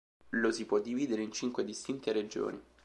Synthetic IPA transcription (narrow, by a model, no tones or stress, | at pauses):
losipwɔd̪ːiviːd̪eɾeint͡ʃiŋkwed̪ist̪int̪eɾed͡ʒo̰ːni